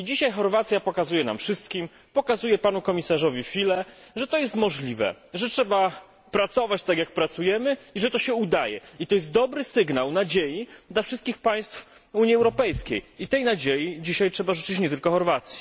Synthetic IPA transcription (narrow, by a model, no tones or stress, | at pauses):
id͡ʑiɕajxɔɾvat̪sʲjapɔkazujɛna̰mfʂɘst̪kʲim | pɔkazujɛpanukɔmʲisaʐɔvʲifʲilɛʐɛt̪ɔjɛst̪mɔʐlʲivɛ̰ʐɛtʂɛba | pɾat̪sɔvat͡ɕt̪akjak̚pɾat̪sujɛmɘiʐɛt̪ɔɕɛud̪ajɛ̰it̪ɔjɛst̪̚d̪ɔbɾɘsɘɡnawnad͡ʑejid̪lafʂɘst̪kʲixpaj̃st̪f | uɲjiɛwɾɔpɛjskʲejit̪ɛjnad͡ʑejid͡ʑiɕajtʂɛbaʐɘt͡ʂɘt͡ɕɲɛt̪ɘlkɔxɔɾvat̪sʲji̥